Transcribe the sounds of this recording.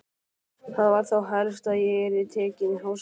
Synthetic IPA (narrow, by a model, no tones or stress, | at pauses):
θaðvaɾ̥θawɦalst̪aðjɛɣɛɾɪðt̪ʰɛːcɪnɦaws